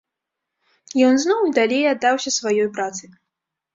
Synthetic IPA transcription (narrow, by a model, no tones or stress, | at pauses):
jɔnznɔwd̪alʲejad̪ːawsʲɐsvajɔjpɾat̪sɨj